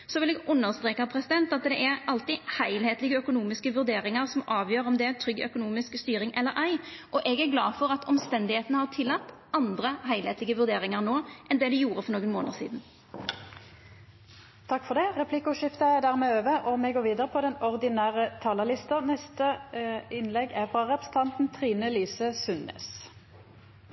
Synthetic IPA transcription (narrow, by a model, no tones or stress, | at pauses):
sɔʋɪlɛɡʉnːəʁst̪ʁeːkəʁpʰɾɛsɪd̪ɛnt̪ɑt̪d̪ɛʔæʁɑlt̪ɪhæɪlheːt̪lɪɡəœkʊnuːmɪskəʋʉɾd̪eːɾɪŋəʁsɔmʔɑːʋjøːɾɔmd̪ɛæt̪ʰɾʏɡœ̰kʊnuːmɪskst̪yːɾɪŋʔɛlːəɾʔæɪʔɔʔɛɡæɾɡlɑːfɔɾɑt̪ɔmst̪ɛnd̪ɪheːt̪nəhɑʁt̪ʰɪlːɑt̪ːɑnd̪ʁəɦæɪlheːt̪lɪɡəʋʉɾd̪eːɾɪŋəʁnoːʔɛnd̪ɛd̪ɪjuːɾəfɔʁnoːɡənmoːnəʁsḭːd̪n̩ | t̪ʰɑkːfɔʁd̪ɛʁɛpʰlɪkʊʂɪft̪əæʁd̪æːʁmeːøːʋəʔɔmɛɡoːʋiːd̪əʁəpʰɔd̪ɛnɔʁd̪ɪnæːʁət̪ʰɑːləlɪst̪ənɛst̪əɪnlɛɡæʁfʁɑʁɛpʁəsən̩t̪ʰɑnt̪n̩t̪ʰʁiːnəlyːsəsʉnːḛːs